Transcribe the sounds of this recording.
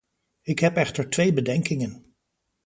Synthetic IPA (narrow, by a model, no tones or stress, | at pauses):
ɪkɦɛpɛχtəɹtʋejbədɛŋkɪŋən